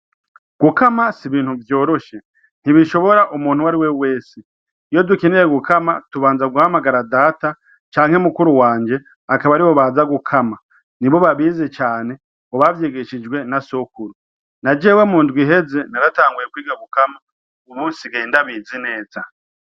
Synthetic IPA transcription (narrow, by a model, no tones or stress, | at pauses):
ɡ̥ukamasiβiːn̥huvjo̞ːɾo̞ʃe̞ | n̥iβiʃo̞βo̞ɾaʔumuːn̥huwaɾiwewe̞ːse | ijo̞dukeneɾeɡukʰamatuβaːnzaɡuhamaɡaɾadaːta | t͡ʃaːŋ̥hemukuɾuwaːɲd͡ʒe̞ | akaβaɾiβo̞βaːzaɡukʰama | niβo̞βaβiːze̞t͡ʃaːne̞ | ŋɡoβavjeːɡe̞ʃid͡ʒɡwe̞naso̞kuɾu | nad͡ʒewe̞muːndɡwiɦe̞ze̞naɾataːŋɡuje̞kwiːɡaɡukama | uβuːnsiɡeːndaβiːzine̞ːza